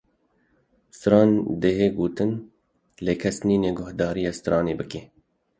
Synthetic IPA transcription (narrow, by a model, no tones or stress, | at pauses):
st̪ɨɾɑːnd̪eɦeːɡoːt̪ɨn | leːkʰɛsniːneːɡʊhd̪ɑːɾijɑːst̪ɨɾɑːneːbɨkeː